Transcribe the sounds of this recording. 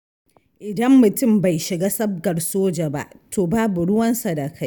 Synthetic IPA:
ʔɪ˨dɐ˦mːʊ˨tʊ˦˨mba˨jʃɪ˨ɡaː˦sɐ˦b̚ɡɐ˨rsoː˦d͡ʒa˨ba̰˦ʔtʰoː˨baː˦bu˨ɽʊ˦wɐ˦nsa˨da˨kʰa˦j

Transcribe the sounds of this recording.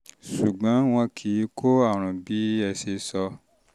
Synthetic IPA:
su˨ɡ͡bɔ̃˨˦w̃ɔ̃˧kʰi˨˦kʰo˦a˦˨ɾ̃ɔ̃˨bi˨˦ɛ˧se˧sɔ˧

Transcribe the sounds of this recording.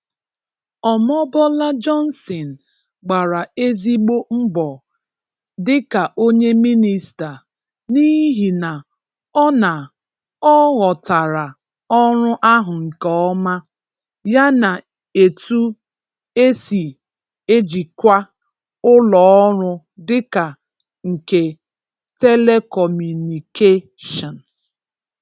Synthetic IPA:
ɔ˨mɔ˦bɔ˦la˦d͡ʒɔ˦n̩˦sɔ˨n̩˨ | ɡ͡ba˨ɾa˨e˦zi˦ɡ͡bo˦m̩˦bɔ˨ | dɪ˦ka˨ʔo˦ɲe˦mi˦ni˨sta˨ | ni˦ɦi˨na˨ | ɔ˦na˨ | ɔ˦ɣɔ˨ta˨ɾa˨ | ɔ˦ɾʊ˦ʔa˦ɦʊ˨ŋ̩˨kɔ˦ɔ˦ma˦ | ja˦na˨ | e˨tu˦ | e˦si˨ | e˦d͡ʒi˨kʷa˦ | ʊ˦lɔ˨ɔ˦ɾʊ˦ | dɪ˦ka˨ | ŋ̩˨ke˨ | te˦le˦kɔ˨mu˨ni˨ke˦ | ʃɔ˨n˨

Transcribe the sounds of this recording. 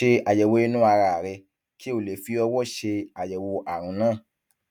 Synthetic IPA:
e˧a˨jɛ˨wo˨˧i˧nũ˦a˧ɾa˨ɾɛ˧ | ki˦o˦˨le˨fi˧˦ɔ˧wɔ˦˨ʃe˧a˨jɛ˨wo˧ʔa˨ɾ̃ũ˧˦nãː˦˨

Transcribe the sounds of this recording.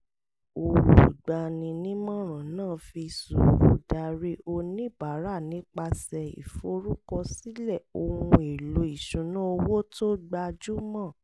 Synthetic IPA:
o˧wṵ˨ɡ͡ba˧˨nĩ˧nĩ˦mɔ̃˦˨ɾ̃ã˨nãː˦˨fi˧sṵ˨ɾu˨˦da˨˧ɾe˦o˧nĩ˦ba˨˦ɾa˦˨nĩ˨˦k͡pa˧sɛ˧ḭ˨fo˨˦ɾu˦kɔ˧si˦lɛ˦˨o˧hũ˧e˨lo˨˦i˨ʃũ˨˦nã˦o˧wo˦to˦ɡ͡ba˧d͡ʒu˦mã˦˨

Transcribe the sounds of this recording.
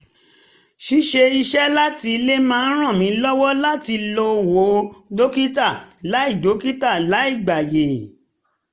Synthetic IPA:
ʃi˦ʃe˧i˧ʃɛ˦la˦ti˧le˦mãː˦˧n̩˦ɾ̃ã˦˨mĩ˨˦lɔ˦wɔ˦la˦ti˧lo˧wo˨˦do˦ki˦ta˦˨la˨˦i˦˨do˨˦ki˦ta˦˨la˨˦i˦˨ɡ͡ba˨je˨

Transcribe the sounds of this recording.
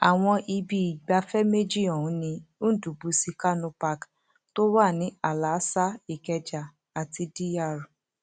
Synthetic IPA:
a˨w̃ɔ̃˧ʔi˧bi˧i˨ɡ͡ba˧fɛ˦me˦d͡ʒi˦˨ɔ˨ũ˨˦nĩ˧o˦du˨bu˧si˧ka˦nũ˧pa˧k | to˦wa˦˨nĩ˨˦a˨la˨˦sa˦i˨kɛ˧d͡ʒa˨ | a˨ti˧di˦ja˦˨ɾu˨

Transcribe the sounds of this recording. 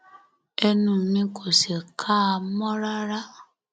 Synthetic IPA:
ɛ˧nũ˦˨mĩ˧˦kʰo˨se˨kʰa˦a˧mɔ̃˦ɾa˦ɾa˦

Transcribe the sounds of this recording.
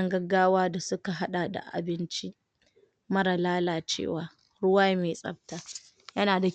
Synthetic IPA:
ŋɡɐ˦ɡːaː˦waː˦da˨sʊ˦ka˨ɦa˦ɗa˨da̰˨ʔa̰˨bɪ˦nt͡ʃi˦ | mɐ˦ɽa˨laː˦laː˨t͡ʃḛː˦˨waː˨ | ɽʊ˦waː˦meː˨sʼɐ̰˦b̚taː˦ | jɐ˦naː˨da˨

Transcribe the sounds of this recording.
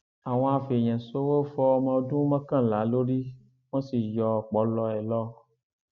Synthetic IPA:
a˨w̃ɔ̃˧a˨fe˨ɲɛ̃˨so˦wo˦fɔ˦mã˧o˦dũ˦mã˦kã˦˨la˨˦lo˦ɖi˦ | wɔ̃˦si˨jɔ˨k͡pɔ˨˦lɔ˧ɛ˨lɔ˦

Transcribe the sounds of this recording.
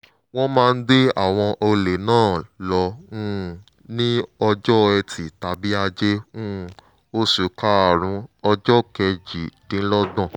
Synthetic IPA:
w̃ɔ̃˦mãː˦˧n̩˦de˦a̰˦˨w̃ɔ̃˧ʔo˧le˨nãː˦˨lɔ̃˧˦˨ | nĩ˦ɔ˧d͡ʒɔ˦ɛ˧tʰi˨ta˨bi˦a˧d͡ʒẽ˦˨ | o˦su˨ka˦a˨ɾ̃ũ˧ɔ˧d͡ʒɔ˦kɛ˧d͡ʒi˨dĩ˨˦lɔ˦dɔ̃˦˨

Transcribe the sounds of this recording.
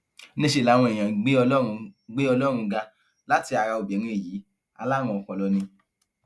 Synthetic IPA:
nĩ˦ʃe˧˦˨la˨˦w̃ɔ̃˧e˨j̃ã˨ɡ͡be˦ɔ˧ɔ˦ɾũ˧ɡ͡be˦ɔ˧lɔ˦ɾ̃ũ˧ɡa˧ | la˦ti˧a˧ɾa˧o˨bɛ˨˦ɾĩ˧e˦˨jiː˨˦ | a̰˧la˦m̃ɔ̃˧ɔ˨kɔ̃˨˧lɔ˧nĩ˧

